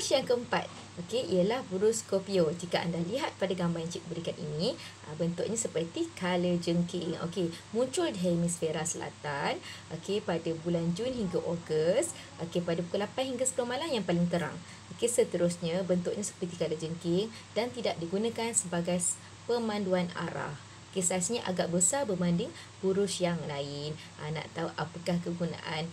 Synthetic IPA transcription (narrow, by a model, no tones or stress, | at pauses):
sjaŋkəəmpa̰t̪̚ | ʔokeʔiəlahbəɾuskopiod͡ʒikaʔa̰ndahliɦat̪̚padaɡambajant͡ʃik̪̚bəɾikanḭnĩ | əbənt̪ʊʔɲãsəpərt̪ikaləd͡ʒəŋkiŋo̰kemũɲt͡ʃʊldɦemĩsfeɾasəla̰t̪anʔokepadabuland͡ʒunɦiŋɡaʔoɡəst̪ | ʔokepadapukulapanɦiŋɡasəpəlomalamjaŋpalɪŋt̪əɾa̰ŋ | ʔokesət̪əɾusɲãbənt̪ʊʔɲasə̥pərt̪ikaləd͡ʒəŋkɪŋ | dant̪idaʔ̚diɡunãkansəbaɡaj | pəmãnduana̰ɾa̰h | okesaasɲəʔa̰ɡaʔbəsabəmandɪŋ | b̥uɾʊsjaŋəlaɪn | ʔana̰ʔt̪auʔapəkahkəɡuna̰ʔan